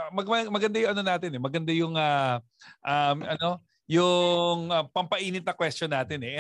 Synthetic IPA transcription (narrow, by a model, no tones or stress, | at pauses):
mɐmɐmɐɡɐnd̪ajʊŋɐno̞naːt̪ɪnɛmɐɡɐnd̪ajʊŋa | ʔamʔɐno̞ | jʊŋɐpɐmpɐʔiːnɪt̪̚nɐkwɛstonaːt̪ɪnɛʔ